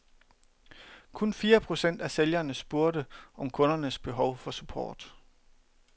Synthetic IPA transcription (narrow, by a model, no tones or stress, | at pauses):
kʰɔ̽nfiːɐpʰʁo̝sen̰d̥æseljɐnəsb̥o̝ɐɾəʔɒ̽mkʰɔ̽nɐnəsb̥e̝ɦɒʊfɒ̽supʰɒ̰ːd̥